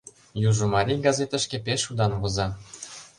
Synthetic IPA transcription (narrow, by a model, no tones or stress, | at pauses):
juʒŏmɑɾʲijɡɑzet̪ə̆ʃkĕpeʃud̪ɑnβɤ̆zɑ